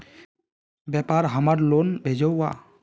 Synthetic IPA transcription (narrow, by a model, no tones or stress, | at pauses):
bjɛpaɾɦəmaɾlonbʱed͡ʒɔwːa